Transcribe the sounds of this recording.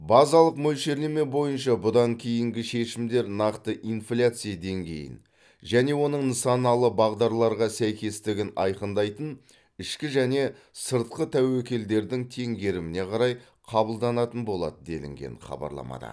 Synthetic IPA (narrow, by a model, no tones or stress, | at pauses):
bɑzɑlˠəqmɵlʃe̞ɾleme̞bo̞jənʃɑbʊd̪ɑŋkʲʰejɪŋɡʲɪʃe̞ʃɪmd̪e̞ɾnɑqt̪əʔinflʲat̪sɨjad̪e̞ŋɡʲe̞̰jɪ̰n | ʒæne̞wo̞nəɴnəsɑnɑlˠəbɑʁd̪ɑɾlˠɑɾʁɑsæjkʲe̞st̪ɪɡʲɪnɑjqənd̪ɑjt̪ən | ɪʃkʲɪʒæne̞ | səɾt̪̚qət̪ʰæwekʲe̞ld̪e̞ɾd̪ɪŋt̪ʰe̞ŋɡʲe̞ɾɪmɪne̞qʰɑɾɑj | qʰɑbəlˠd̪ɑnɑt̪ənbo̞lˠɑ̰d̪əd̪e̞̰lɪ̰ŋɡʲe̞̰ɴχɑ̰bɑ̰ɾlˠɑ̰mɑ̰d̪ɑ̰